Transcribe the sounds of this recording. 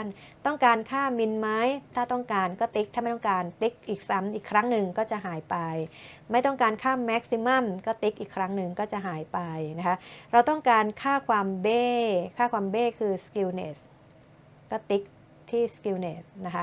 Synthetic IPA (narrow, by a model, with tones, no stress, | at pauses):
n | t̪ɔ˥˩ŋkaː˧nkʰaː˥˩mi˧nma˦˥jt̪ʰaː˥˩t̪ɔ˥˩ŋkaː˧nkɔː˥˩t̪i˦˥k̚t̪ʰaː˥˩m˥˩t̪ɔ˥˩ŋkaː˧nt̪i˦˥k̚ʔiː˨˩k̚sa˦mʔiː˨˩kʰːɾa˦˥ŋnɯ˨ŋkɔː˥˩t͡ɕa˨˩ʔɦaː˩˦jpa˧jma˥˩jt̪ɔ˥˩ŋkaː˧nkʰaː˥˩mɛ˦˥k̚si˧ma˥˩mkɔː˥˩t̪i˦˥k̚ʔiː˨˩kʰɾa˦˥ŋnɯ˨˩ŋkɔː˥˩t͡ɕa˨˩ʔɦaː˩˦jpa˧jna˦˥kʰa˦˥ɾa˧wt̪ɔ˥˩ŋkaː˧nkʰaː˥˩kʰwaː˧mbeː˥˩kʰaː˥˩kwaː˧mbeː˥˩kʰɯː˧ski˧wneː˨˩s | kɔː˥˩t̪i˦˥k̚ | t̪ʰiː˥˩ski˧wneː˨˩sna˦˥kʰa˦˥